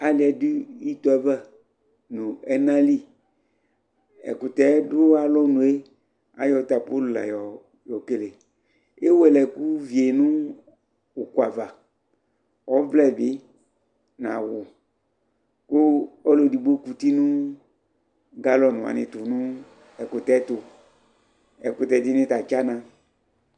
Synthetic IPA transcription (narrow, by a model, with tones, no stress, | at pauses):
a˨lɪ˨ɛ˨di˦i˦t̪ɔ˨ɛ˦vɛ˦ | nʊ̃˨ɛ˦nã˦li˦ | ɛ̰˨kʊ˨t̪ɛ˦dʊ˦a˦lɔ˦nũ˨e˦ | a̰˦jɔ˨˦t̪a˨po˦lu˨la̰˨jɔ˨ | jɔ˨ke˨le˨ | e˦wɛ˨lɛ˨ku˦vi˨e˨nʊ̃˦ | o˨kwa˨va˨ | ɔ˨˦vlɛ˦˨bɪ˦ | na̰˨wʊ˨ | kʊ˦ɔ˦lo˨di˨ɡ͡bo˦ku˨ti˦nʊ̃˦ | ɡa˦lɔ˨nʊ̃˨a̰˨nɪ̰˨tʊ˨nʊ̃˦ | ɛ˨kʊ˨tɛ˨˦tʊ˨ | ɛ˨kʊ˨tɛ˨dɪ˦nɪ̃˦ta˨t͡ʃa˦nã˨